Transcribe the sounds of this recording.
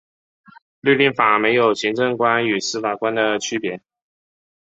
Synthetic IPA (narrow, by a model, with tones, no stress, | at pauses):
ly˥˧li˥˩nfa˨˩me˧˥ɪjo˨˩ʊɕi˧˥ŋʈ͡ʂɤ˥˩ŋkwa˥ny˨˩sɹ̩˥fa˨˩kwa˥nd̪ə˨t͡ɕʰy˥pjɛ˧˥